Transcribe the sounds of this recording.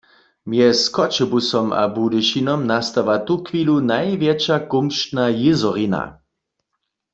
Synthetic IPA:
mjɛskɔt͡ʃɛbusɔma̰budɛʃinɔmnast̪aʋat̪ukʰʋiːlunajvjɛt͡ʃakumʃtnajɪzɔʁina̰

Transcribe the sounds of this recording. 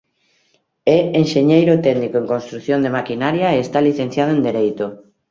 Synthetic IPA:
ɛenʃeɲejɾot̪ɛɣnikoẽŋkonst̪ɾuθjond̪emakinaɾjaeːst̪aliθẽn̟θjaðoẽnd̪eɾejt̪o

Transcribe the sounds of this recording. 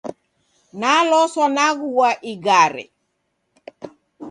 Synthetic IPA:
nalɔsɔnaɣuwaʔiɡaɾɛ̰

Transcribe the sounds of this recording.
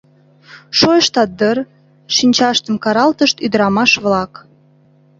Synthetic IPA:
ʃojəʃt̪ɑd̪ər | ʃinʲt͡ɕɑʃt̪əmkɑɾɑlt̪əʃt̪yd̪əɾɑmɑʃβlɑk

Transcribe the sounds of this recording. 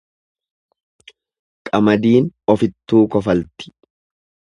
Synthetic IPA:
kʼɐmɐd̪iːnɔfɪt̪ːuːkɔfɐlt̪ɪ̥

